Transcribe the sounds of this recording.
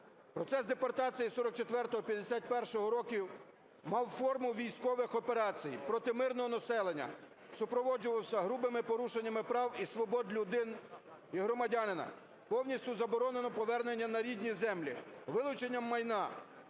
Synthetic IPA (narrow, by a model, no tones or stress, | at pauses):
pɾɔt̪sɛsd̪epɐrt̪ɑt͡sʲijisɔɾɔk̚t͡ʃet̪ʋɛrt̪ɔɦɔpʲjɐd̪esʲat̪̚ʲpɛrʃɔɦɔɾɔkʲiw | mɑwfɔrmʊʋʲijsʲkɔʋɪxɔpeɾɑt͡sʲijpɾɔt̪ɪmɪrnɔɦɔnɐsɛlˠenʲːɐ̰ | sʊpɾɔʋɔd͡ʒʊʋɐwsʲɐɦɾubɪmɪpɔɾuʃenʲːɐmɪpɾɑwisʋɔbɔd̪lʲʊd̪ɪn | iɦɾɔmɐdʲɑnɪnɐ̰ | pɔwnʲisʲtʲʊzɐbɔɾɔnenɔpɔʋɛrnenʲːɐnɐɾʲidʲnʲizɛmlʲḭʋɪlˠʊt͡ʃenʲːɐmːɐjnɑ